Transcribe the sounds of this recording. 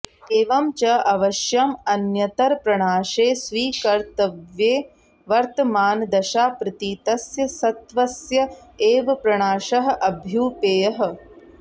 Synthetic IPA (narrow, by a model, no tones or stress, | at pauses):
eːʋɐmt͡ʃɐʔɐʋɐʃjɐmɐnjɐt̪ɐɾpɾɐɳaːʃeːsʋiːkɐɾt̪ɐʋjeː | ʋɐɾt̪ɐmaːnd̪ɐʃaːpɾɪt̪iːt̪ɐsjɐsɐt̪ʋɐsjɐeːʋɐpɾɐɳaːʃɐɦɐ̆ʔɐbʱjuːpeːjɐɦɐ̆